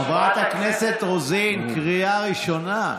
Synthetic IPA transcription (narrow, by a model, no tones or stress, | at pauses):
vat̪hakneset̪ʁozinkʁijaʁiʃo̞na